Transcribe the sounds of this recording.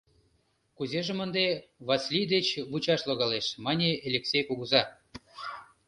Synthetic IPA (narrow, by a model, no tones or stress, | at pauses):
kuzeʒĕmə̆nd̪eβɑsʲlʲijd̪et͡ɕβut͡ɕɑʃloɣɑleʃmɑnʲeelʲeksʲejkuɣuzɑ